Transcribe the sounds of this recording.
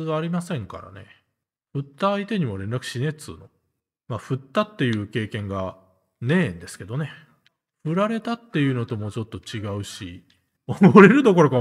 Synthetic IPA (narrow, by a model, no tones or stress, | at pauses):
ɨβaːɾʲimasẽ̞ŋka̰ɾa̰ne̞̰ | ɸɯ̟t̪ːaːit̪e̞ɲ̟imo̞ɾẽ̞nɾakɯ̟̥ɕine̞t͡sɨ̰ːno̞̰ | maɸɯ̟t̪ːat̪ːe̞jɯ̟ːke̞ːkẽ̞ŋɡa | nẽ̞ːnd̪e̞sɨ̥ke̞d̪o̞ne̞ | ɸɯ̟ɾaɾe̞t̪at̪ːe̞jɯ̟no̞t̪o̞mo̞ːt͡ɕo̞t̪ːo̞t͡ɕiɡaɯ̟ɕḭ | omoɾe̞ɾɯ̟d̪o̞ko̞ɾo̞ka